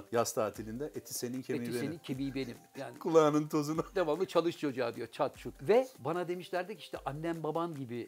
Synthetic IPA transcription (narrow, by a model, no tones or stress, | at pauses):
jast̪ʰaːt̪ʰilʲind̪ɛʔet̪ʰi̥se̞nincʰeemiiseenincʰemibenimjaːnkʰulˠaːnɯnt̪ʰozunad̪amammˠɯt͡ʃʰalˠɯʃod͡ʒaːd̪ijot͡ʃʰat̪̚t͡ʃʰut̪vɛbanad̪e̞miʃlʲæɾd̪ɛciʃt̪ʰɛʔanʲːænbabanɟibi